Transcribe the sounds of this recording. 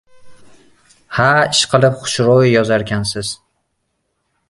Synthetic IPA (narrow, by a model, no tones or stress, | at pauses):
haɪʃqʰɨlˠɪpχʊ̥ʃɾowjɒzaɾɡʲansɪz̥